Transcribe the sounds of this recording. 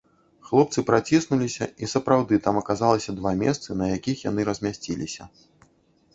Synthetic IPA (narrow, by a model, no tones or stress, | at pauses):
xlˠɔp̚t̪sɨpɾat͡sʲisnulʲisʲɐ̰isɐpɾawd̪ɨt̪amɐkazalˠɐsʲɐd̪vamʲɛst̪sɨnɐjakʲixjan̪ɨɾɐzʲmʲasʲt͡sʲilʲisʲɐ